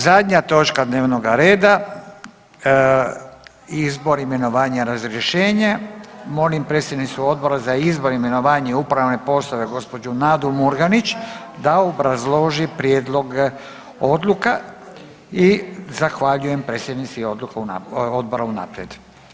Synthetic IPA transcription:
zad̪ɲat̪o̞t͡ʃkad̪neːʋno̞ɡaɾe̞ːd̪a | izbo̞ɾime̞no̞ʋaːɲaɾazɾjeʃe̞ːɲemo̞limpɾet̪sjed̪nit̪suo̞d̪̚bo̞ɾazaizbo̞ɾime̞no̞ʋaːɲeupɾaʋne̞po̞sloʋe̞ɡo̞spo̞d͡ʒunad̪umuɾɡanit͡ʃ | d̪aobɾazlˠo̞ʒipɾjed̪lˠo̞ɡ | o̞d̪lˠuka | izaxʋaʎuje̞mpɾet̪sjed̪nit̪siod̪lukauaod̪̚bo̞ɾauna̰ːpɾjed̪

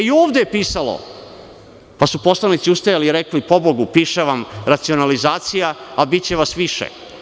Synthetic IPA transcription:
ioːʋd̪epiːsalo̰ | pasupo̞slˠanit̪siust̪ajaliːɾeklipo̞bo̞ɡupiːʃeʋamɾat̪sio̞nalizaːt̪sijaabitt͡ɕeʋasʋiʃḛ

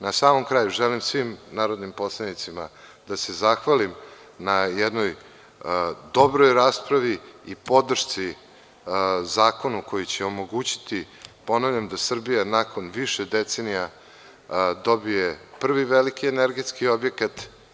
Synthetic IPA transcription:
nasaːmo̞mkɾaːjuʒelimsʋimnaːɾod̪nimpo̞slˠanit̪simad̪ase̞zaxʋalim | najɛd̪no̞j | d̪o̞bɾojɾaːspɾaʋiipo̞d̪r̩ʃt̪si | zaːko̞nuko̞jit͡ɕeo̞mo̞ɡuːt͡ɕi̥t̪i | po̞naʋʎʲamd̪asr̩bijanakʰo̞nʋiʃed̪et̪senija | d̪o̞bijepr̩ʋiʋelikieneɾɡe̞t̪skio̞bje̞kat̪

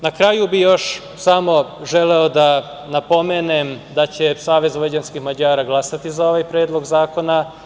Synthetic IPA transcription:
nakɾajubijo̞ʃ | samo̞ʒe̞leo̞d̪a | napo̞meːnemd̪at͡ɕesaːʋe̞zʋed͡ʑanskixmad͡ʑaːɾaɡlˠasat̪izao̞ʋajpɾeːd̪lˠo̞ɡzaːko̞na

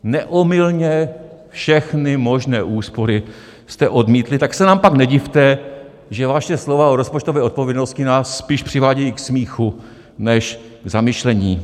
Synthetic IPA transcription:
nɛʔomɪlɲɛ | fʃɛxnɪmo̞ʒnɛːʔuːspo̞ɾɪ | st̪ɛʔo̞dmiːt̪lɪt̪aksɛnaːmpaknɛɟɪft̪ɛ | ʒɛvaʃɛslovaoɾospo̞t͡ʃt̪ovɛːʔo̞t̪̚povjɛdnost̪cɪnaːsːpiːʃpr̥ɪvaːɟɛjiːksmiːxu | nɛʃ | ɡzamɪʃlɛɲiː

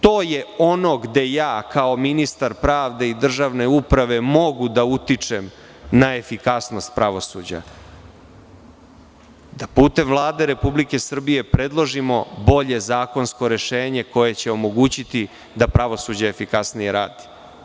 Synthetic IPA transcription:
t̪oːjeo̞no̞ɡd̪e̞jaːkao̞minist̪aɾpɾaːʋd̪e̞id̪r̩ʒaʋne̞upɾaʋe̞mo̞ɡud̪aut̪it͡ʂem | nae̞fikasno̞st̪̚pɾaʋo̞sṵːd͡ʑa̰ | d̪apuːt̪e̞mvlˠaːd̪e̞ɾe̞publike̞sr̩bije̞pɾe̞d̪lˠoʒimo̞bo̞ʎe̞zaːko̞nsko̞ɾe̞ʃeːɲe̞ko̞je̞t͡ɕe̞o̞mo̞ɡuːt͡ɕit̪i | d̪apɾaʋo̞suːd͡ʑaefikasnije̞ɾa̰ːd̪i̥

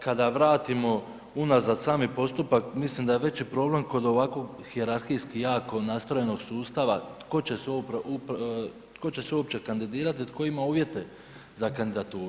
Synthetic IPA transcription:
kad̪aʋɾaːt̪imo̞ | unazad̪saːmipo̞st̪upakmislimd̪aje̞ʋe̞t͡ɕipɾo̞ble̞mko̞d̪o̞ʋakʋo̞ɡ | xieɾaɾxijskijaːko̞nast̪ɾo̞je̞no̞ɡ̥suːst̪aʋat̪ko̞t͡ɕesuopʔup | t̪ko̞t͡ɕe̞seuop̚t͡ʃe̞kand̪id̪iːɾat̪it̪ko̞imauːʋje̞t̪e̞ | zakand̪id̪at̪uːɾu

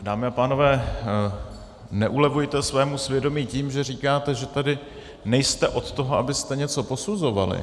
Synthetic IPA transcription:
daːmɪapaːno̞vɛː | nɛʔulɛvujt̪ɛsvɛːmusvjɛdo̞miːciːmʒɛr̝iːkaːt̪ɛʒɛt̪adɪ | nɛjst̪ɛʔo̞t̪t̪o̞ɦo̞ʔabɪst̪ɛɲɛt͡so̞po̞suzo̞valɪ̰

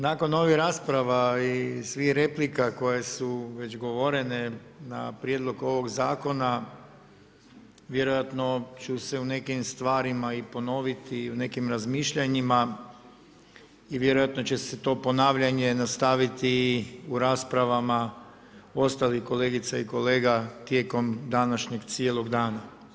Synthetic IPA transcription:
nako̞no̞ʋihɾaːspɾaʋaisʋixɾe̞plikako̞je̞suʋe̞d͡ʑɡo̞ʋo̞ɾe̞nena̰pɾje̞d̪lˠo̞ɡo̞ʋo̞ɡzaːko̞na | ʋje̞ɾo̞jat̪no̞t͡ʃuse̞une̞kimst̪ʋaːɾimaipo̞no̞ʋit̪ʰiune̞kimɾazmiːʃʎaɲima | iʋje̞ɾo̞jat̪no̞t͡ɕe̞set̪o̞ːpo̞naːʋʎaɲe̞nast̪aʋit̪iuɾaːspɾaʋama | o̞st̪alixko̞le̞ːɡit̪saiko̞leːɡat̪je̞ːko̞md̪anaʃɲe̞ɡt̪sijeːlˠo̞ɡd̪aːna

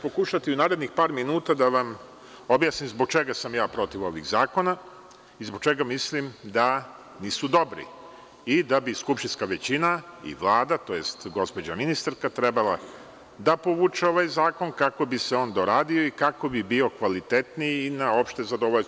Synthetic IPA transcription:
po̞kuʃat̪iunaːɾe̞d̪nixpaːɾminuːt̪ad̪aʋam | o̞bjaːsnimzbo̞ɡ̚t͡ʃeɡasamjaːpɾo̞t̪iʋo̞ʋḭɡzaːko̞na | izboɡ̚t͡ʃe̞ɡamislimd̪a | niːsud̪o̞bɾḭ | id̪abiskupʃt̪inskaʋet͡ɕinaḭʋlˠaːd̪at̪o̞jest̪ɡo̞spo̞d͡ʑaminist̪aɾkat̪ɾebalˠa | d̪apo̞ʋuːt͡ʃeo̞ʋajzaːko̞nkako̞biseo̞ːnd̪oɾaːd̪io̞ikako̞bibio̞kʋalit̪et̪nijinao̞pʃt̪e̞zad̪o̞ʋoʎ

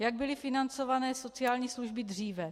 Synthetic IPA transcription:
jaɡ̚bɪlɪfɪnant͡so̞vanɛːso̞t͡sɪaːlɲiːsluʒbɪdr̝iːvɛ

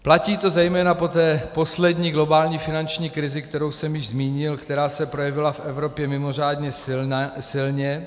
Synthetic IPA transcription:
placiːt̪o̞zɛjmɛːnapo̞t̪ɛːpo̞slɛdɲiːɡlo̞baːlɲiːfɪnant͡ʃɲiːkɾɪzɪkt̪ɛɾowsɛmjɪʒzmiːɲɪlkt̪ɛɾaːsɛpɾojɛvɪlafʔɛvɾo̞pjɛmɪmo̞r̝aːd̪ɲɛ | sɪlɲɛ

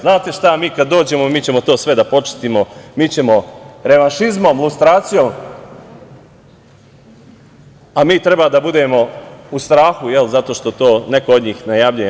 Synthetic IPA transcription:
znaːt̪e̞ʃt̪amiːkad̪dːoːd͡ʑe̞momiːt͡ɕe̞mo̞t̪o̞ːsʋe̞d̪apo̞t͡ʃɪ̥t̪imo̞miːt͡ɕe̞mo̞ɾe̞ʋanʃizmo̞mlˠust̪ɾaːt̪sijo̞m | amiːt̪ɾe̞baːd̪abud̪e̞mo̞ust̪ɾaːxujelzat̪o̞ːʃt̪o̞t̪o̞ːne̞kood̪ɲiːxnajaːʋʎuje

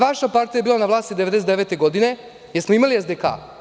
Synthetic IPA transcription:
ʋaʃapaɾt̪ijaebiːlanaʋlaːst̪id̪ee̞d̪eset̪d̪eʋe̞ːt̪eɡo̞d̪ine̞ | jeɾsmoimaliezd̪eka̰ː

